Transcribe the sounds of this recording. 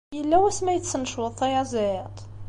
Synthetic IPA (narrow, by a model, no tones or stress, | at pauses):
jəlːæwæsmæjət͡sːnəʃwəðˤːɑjæzæjət̪ˤ